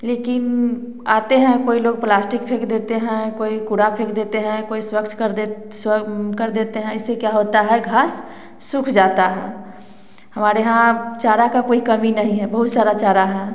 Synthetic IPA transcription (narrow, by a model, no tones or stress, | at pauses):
leːkɪn | aːt̪eɦɛ̃koːiloːɡ̚plaːsʈɪkpʰeːkʰd̪eːt̪eɦɛ̃koːikuɾapʰeːkʰd̪eːt̪eɦɛ̃koːiswəkt͡ʃ̪ | skəɾd̪eːt̪eɦɛ̃ɪsːekjaɦot̪aɦɛɡʱaːsː | ʊkʰd͡ʒaːt̪aɦɛ̰̃ː | həmaːɾeɦãt͡ʃaːɾakakoːikəminəɦĩɦɛbəɦʊt̪saːɾat͡ʃaːɾaɦɛ̃